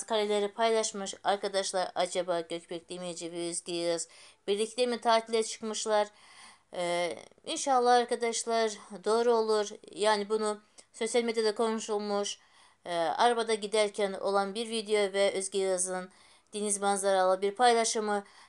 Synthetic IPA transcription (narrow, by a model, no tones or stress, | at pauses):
kʰaɾʲelʲeɾipʰajlˠaʃmɯʃaɾkʰad̪aʃlˠaɾad͡ʒabaːɟøcbɛcʲlʲimejid͡ʒibiɾøzɟʲejɯɯz̥b̥iɾlʲiclʲemit̪ʰaːt̪ʰilʲɛt͡ʃʰɯ̥kmɯʃlˠaɾ | inʃalˠːaaɾkʰad̪aʃlˠaɾd̪o̞ːɾuo̞lˠuɾjaːnibunuso̞sijalʲmed̪jad̪akʰo̞nuʃulˠmuʃ | a̰ɾabad̪aɟid̪æɾcʰæno̞̰lˠanbiɾvid̪ejo̞vɛøzɟʲejɯɯzɯn | d̪̥inizbanzˠaɾalˠɯbiɾpʰajlˠaʃɯmɯ